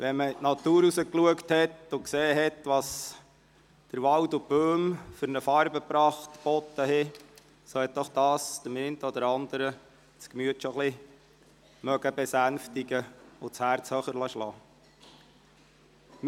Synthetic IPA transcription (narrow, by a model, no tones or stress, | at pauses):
ʋɛməitnɑt̪uːɾusəkluəkthɛtʊkseːɦɛtʋɑːs | d̥əɾʋɑltʊb̥øːmfʏɾnəfɑɾbəpɾɑːχt̪b̥ɔt̪ːəɦɪ | sɔhɛt̚d̥ɔχd̥̪ɑːsd̥̪əment̪əɔd̪əɾɑnd̪əɾə | t͡skmyətʃɔχlɪ | mœɡəbɛsænftiɡəʊt͡shæːɾt͡shœχəɾlɑʃlɑː | m